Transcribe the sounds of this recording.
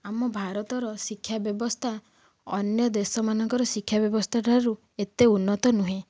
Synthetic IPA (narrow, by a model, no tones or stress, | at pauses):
amɔbʱaɾɔt̪ɔɾɔsikʰːjabjɔbɔst̪ʰa | ɔnjɔd̪esɔmanɔŋkɔɾɔsikʰːjabjɔbɔst̪ʰaʈaɾu | et̪eunːɔt̪ɔnuɦẽ